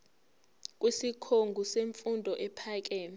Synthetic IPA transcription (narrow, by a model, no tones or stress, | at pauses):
k̬ʼwisikʰoŋɡʱuseɱfundʱɔʔɛpʰaːk̬ɛː